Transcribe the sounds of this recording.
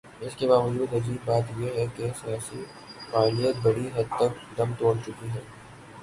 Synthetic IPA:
ɪskebaːʋəd͡ʒuːd̪ɐziːbbaːt̪jeɦɛkesijaːsi | paːlijət̪̚bɐɽiɦɐd̪̚t̪ək̚d̪ɐmt̪oːɽt͡ʃʊkiɦɛ̃ː

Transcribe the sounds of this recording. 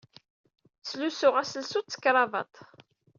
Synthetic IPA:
t͡sːlusʊʁæsəlsut͡sːə̥kːɾˤɑvɑ̰t̪ˤ

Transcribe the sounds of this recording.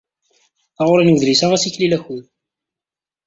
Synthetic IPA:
θɑʁʊɾinəɡðlisaʁæsiçlilæçuð

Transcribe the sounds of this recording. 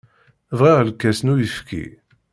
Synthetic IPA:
vʁiʁəlkːæsnujəfkʰḭ

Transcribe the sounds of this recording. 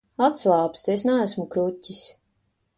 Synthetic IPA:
at̪slˠaːpst̪esnææsmukɾutʲːis

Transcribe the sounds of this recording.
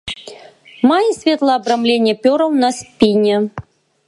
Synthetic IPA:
majisʲvʲet̪lˠaːbɾɐmlʲenʲjɛpʲɔɾɐwnaspʲinʲɛ

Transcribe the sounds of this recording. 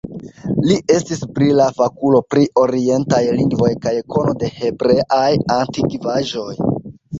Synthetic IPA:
liʔe̞stisbɾilafakulo̞pɾiʔo̞ɾie̞ntajliŋɡvo̞jkajko̞no̞de̞he̞bɾe̞ʔajantikivaʒo̞j

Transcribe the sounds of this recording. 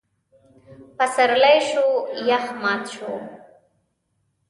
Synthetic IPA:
pasaɾlajʃojaxmɑt̪ʃo

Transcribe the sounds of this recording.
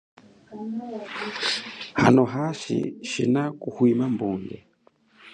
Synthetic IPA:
ha̰nɔɦaʃḭʃḭnakuhwimambuŋɡɛ

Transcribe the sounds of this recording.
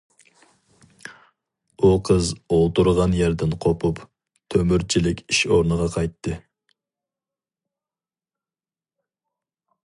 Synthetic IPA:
uqʰəzolˠt̪ʰuɾʁɑnjɛɾd̪ɪnqʰopʰup | t̪ʰømyɾt͡ʃʰilɪkʲiʃoɾnɨʁɑqʰɑjt̪ːɨ

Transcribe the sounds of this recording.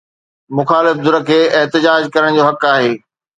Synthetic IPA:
mʊxaːlɪfd̪ʊɾəkʰeːɪɦt̪ɪd͡ʑaːd͡ʑkɐɾəɽ̃d͡ʑoːɦɐkaːɦeː

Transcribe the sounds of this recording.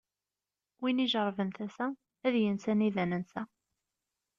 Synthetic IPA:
winiʒɾˤvənθæsæ | æðjənsæniðænənsæ

